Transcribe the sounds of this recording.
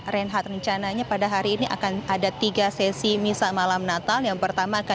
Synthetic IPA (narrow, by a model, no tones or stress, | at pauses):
rɛnɦat̪̚rəɲt͡ʃanaɲapadaɦaɾiːniʔa̰kanadat̪iɡasɛsimisamalamnat̪aljaŋpərt̪amaːka